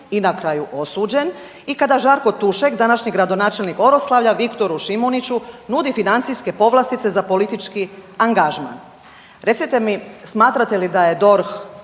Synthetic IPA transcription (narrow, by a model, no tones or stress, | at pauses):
inakɾajuʔo̞suːd͡ʑe̞n | ikad̪aʒaɾko̞t̪uʃekd̪anaʃɲiɡɾad̪o̞naːt͡ʃelniko̞ɾoslˠaʋʎaʋikt̪o̞ɾuʃimonit͡ɕunud̪ifinant̪sijske̞po̞ʋlˠast̪it̪se̞zapo̞lit̪it͡ʃkiaŋɡaʒma̰n | ɾe̞t̪sit̪emismaːt̪ɾat̪elid̪aje̞d̪o̞ɾx